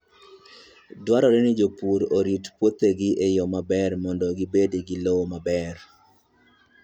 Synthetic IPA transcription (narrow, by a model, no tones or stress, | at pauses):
dwaɾɔɾenɪd͡ʒopuɾoɾitpwot̪eɡɪʔejɔmabɛrmɔndɔɡibedeɡɪlowmabɛr